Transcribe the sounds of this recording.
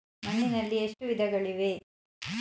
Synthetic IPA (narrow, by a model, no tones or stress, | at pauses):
mɐɳːinɐlːieʂʈuʋid̪ʱɐɡɐɭiʋe